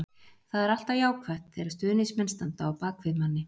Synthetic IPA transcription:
θaðɛɾal̥t̪ajaːwkʰvɛht̪θɛɾḁst̪ʏːnɪsmɛnst̪ant̪aːwpaːkvɪðmanːɪ

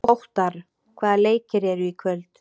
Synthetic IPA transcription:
owht̪aɾ̥ | kʰvaːðaleːjcɪɾɛɾʏikʰvœlt̪

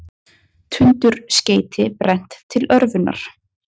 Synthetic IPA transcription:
t̪ʰʏnt̪ʏɾ̥sceːjt̪ʰɪpɾɛn̥t̪ʰːɪlœɾvʏnːa̰ɾ̥

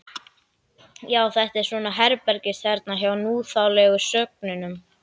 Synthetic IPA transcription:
jaːwθɛht̪ɛɾ̥sɔːnaɦɛɾpɛɾcɪsθɛɾt̪naɦavanuːθawlɛɣʏ̥sœk̚nʏnʏm

